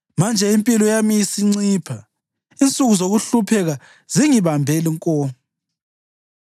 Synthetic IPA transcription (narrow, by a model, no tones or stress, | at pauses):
mand͡ʒʱɛimpʼilɔjamisiŋ͡ǀiːpʰa | int͡sʼuɣuzoɣuɬupʰɛɣa | ziŋiβambʱeliŋkʼɔː